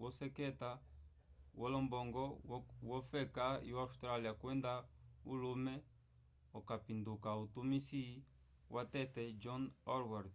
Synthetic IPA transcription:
wɔsɛkɛta | wɔlɔmbɔŋɡɔwɔfɛkaḭwaustɾaliakwɛndaulumɛ | ɔkapindukautumisi | wʔatɛtɛd͡ʒɔnɔɾwaɾd̪

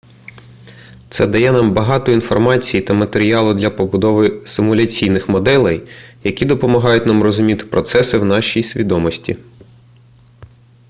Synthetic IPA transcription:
t̪sɛd̪ɐjɛnɑmbɐɦɑt̪ɔinfɔrmɑt͡sʲijit̪ɐmɐt̪eɾʲiɑlˠʊd̪lʲɐpɔbʊd̪ɔʋɪsɪmʊlʲɐt͡sʲijnɪxmɔd̪ɛlˠɛjjɐkʲid̪ɔpɔmɐɦɑjʊtʲnɑmrɔzʊmʲit̪ɪ̥pɾɔt̪sɛsɪwnɑʃʲijsʲʋʲid̪ɔmɔsʲtʲḭ

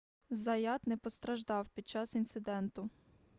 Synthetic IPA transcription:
zɐjɑt̪nɛpɔst̪ɾɐʒd̪ɑwpʲid̪̚t͡ʃɑsint̪sɪd̪ɛnt̪ʊ

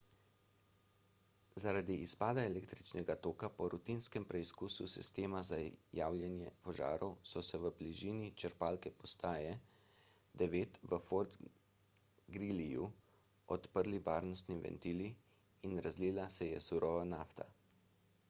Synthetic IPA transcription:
zaɾaːd̪iʔispaːd̪aɛlɛːkt̪ɾit͡ʃnɛɡat̪oːkapɔɾut̪inskɛmpɾɛiskususḭst̪eːmazajaːwlʲjɛnjɛpɔʒa̰ːɾɔwsɔsɛʋəbliʒiːnit͡ʃəɾpaːlkɛpɔst̪aːjɛ | d̪ɛʋeːt̪ʋəfoɾd̪ | ɡɾiliju | ɔt̪pəɾliʋaːɾnɔst̪niʋɛ̰nt̪iːliː | nɾazlilasɛjɛsuɾɔʋanaft̪a̰

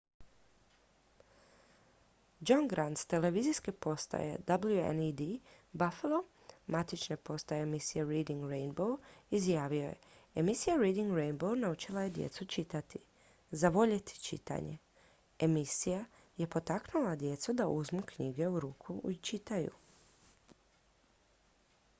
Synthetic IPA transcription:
d͡ʒonɡɾant̪st̪e̞le̞ʋizijskepo̞st̪a̰jḛd̪ablˠjuḛnid̪ibafelˠo̞ | mat̪it͡ʃnepo̞st̪ajemisijeɾiːd̪iŋɡɾejnbowizjaːʋio̞je̞̰emisijaɾiːd̪iŋɡɾejnbownaut͡ʃilaje̞d̪jḛt̪sut͡ʃit̪at̪i | zaʋo̞ʎet̪ʰi̥t͡ʃḭt̪a̰ɲe̞̰ | emisija | je̞po̞t̪aknulad̪je̞t̪sud̪aʔuzmukɲiɡe̞uɾuːkʰuit͡ʃit̪ajṵ

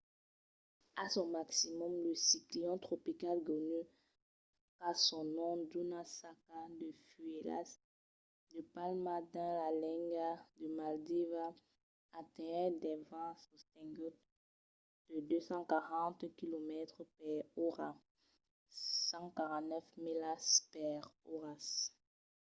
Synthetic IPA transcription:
asɔ̃maksimɔmləsikliɔ̃t̪χɔpikalɡɔny | kasɔ̃nɔ̃d̪unasakad̪əfyela̰s | d̪əpalmad̪ɛ̃lalɛ̃ŋɡad̪əmald̪evaː | t̪ɛ̃d̪ɛvɑ̃sost̪ɛ̃ŋɡɔt | d̪̥əd̪øsɑ̃kaʁɑ̃t̪kilomɛt̪χəpɛʁoʁa | sɑ̃kaʁɑ̃t̪nɛfmilaspɛʁoʁas

